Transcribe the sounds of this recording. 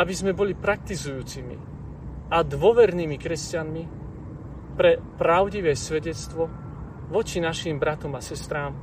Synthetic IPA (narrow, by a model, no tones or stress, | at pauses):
abizmɛbɔlipɾak̚t̪izujuːt͡simḭ | ad̪ʋɔʋɛɾniːmikɾɛscanmi | pɾɛpɾaʊɟiʋɛːsʋɛɟɛt͡st̪ʋɔ | ʋɔt͡ʃinaʃimbɾat̪ɔmasɛst̪ɾaːm